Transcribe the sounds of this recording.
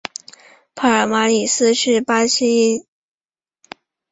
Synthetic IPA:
pʰa˧˥ə˞˨˩ma˧˥li˨˩sɹ̩˥ʂɻ̩˥˩pa˥ɕi˥i˥n

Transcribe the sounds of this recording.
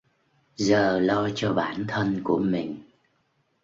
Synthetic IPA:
zəː˨˩lɔ˧t͡ɕɔ˧ɓaː˧˩nt̪ʰə˧nku˧˩əmï˨˩ŋ̟

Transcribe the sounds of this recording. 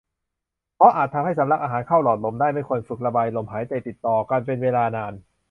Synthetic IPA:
pʰɾɔ˦˥ʔaː˨˩t̪ʰːa˧mha˥˩jsa˩˦mla˧˥k̚ʔaː˧ɦaː˩˦nkʰa˥˩wlɔː˨˩t̪̚lo˩˦mdaː˥˩jma˥˩jkʰu˧ənfɯ˨˩k̚la˧baː˧jlo˨˧˩mhaː˩˦jt̪a˧t̪i˨˩t̪ːɔː˨˩kaː˧npe˧nweː˧laː˧naː˧n

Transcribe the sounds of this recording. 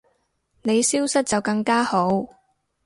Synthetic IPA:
ne˨˧jsiː˥wsɐ˥t̚t͡sɐ˨wkɐ˧ŋkaː˥ho˨˥w

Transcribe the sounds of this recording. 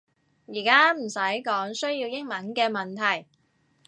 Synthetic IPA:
jiː˨˩kaː˥m̩˨˩sɐ˨˥jkɔː˨˥ŋsɵ˥ɥjiː˧wjɪ˥ŋmɐ˨˥nkɛː˧mɐ˨nt̪ʰɐ˨˩j

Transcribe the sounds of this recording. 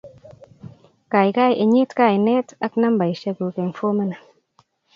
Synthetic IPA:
ka˨jka˦jʔe˨ɲi˦tka˦˨jne˦ta˦kna˦mba˨jʃe˧ɡu˨ke˨nfo˦me˦na˨

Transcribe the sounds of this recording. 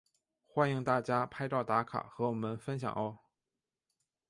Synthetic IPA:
xwa˥ni˧˥ŋt̪a˥˩t͡ɕja˥pʰa˥ɪʈ͡ʂɑ˥˩ʊt̪a˧˥kʰa̰˨˩xɤ˧˥wɔ˨˩mə˦nfə˥nɕ̬jɑ̰˨˩ŋo˧˥ʊ

